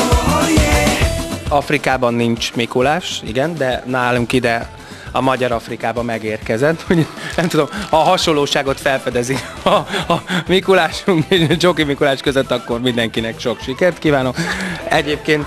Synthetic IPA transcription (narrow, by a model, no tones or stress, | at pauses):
ɒfrikaːbɒnːint͡ʃmikulaːʃḭɡɛnd̪ɛnaːluŋkid̪ɛ | ɒ̰mɒɟɒɾɒfrikaːbɒmɛɡeːrkɛzɛt̪ːmoɲuknɛmt̪ud̪o̞mhɒɦɒʃo̞lːoːʃaːɡo̞t̪fɛlfɛd̪ɛzik | ɒ | mikulaːʃuŋkeːʃd͡ʒokimikulaːʃkøzøt̪ːɒkːo̞rmind̪ɛŋkinɛkʃo̞kʃikɛrt̪kiːvaːno̞kɛɟeːp̚keːnt̪